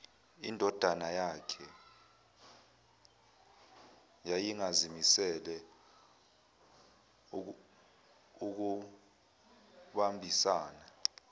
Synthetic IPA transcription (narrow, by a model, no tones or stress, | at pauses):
ḭndʱɔd̥ʱanajakʰɛ | jajiŋazimisɛlɛ | uk̬u | ɓambʱisaːna